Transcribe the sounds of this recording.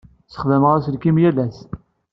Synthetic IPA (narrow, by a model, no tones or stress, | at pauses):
sə̥χðəmʁæsəlkimjælæs